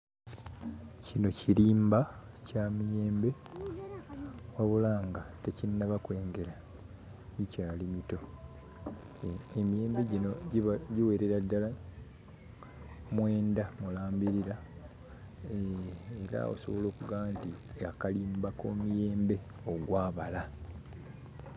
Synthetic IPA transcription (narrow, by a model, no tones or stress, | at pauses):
cino̞ciɾiːmba | camije̞ːmbe̞ | waβulaːŋɡatecinnaβakwe̞ːŋɡe̞ɾa | ɲicaːlimito̞ | emije̞ːmbe̞ɟinoɟiwe̞ːɾe̞ɾadːala | mwe̞ːndamulaːmbiɾiɾa | eɾa̰o̰so̞βo̞lo̞ːkuɡaːntiakaliːmbakoːmije̞ːmbe̞ | oɡwaːβala